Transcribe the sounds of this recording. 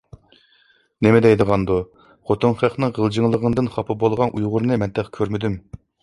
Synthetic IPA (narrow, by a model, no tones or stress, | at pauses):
nɪmɪd̪ɛjd̪əʁɑnd̪u | χʰot̪ʰunχæχnɨŋʁəlˠd͡ʒiŋlˠəʁənd̪ɨnχɑpʰɨbolˠʁɑnʔujʁʊɾnɨmɛnt̪ʰɛχkʲʰøɾmɪd̪ym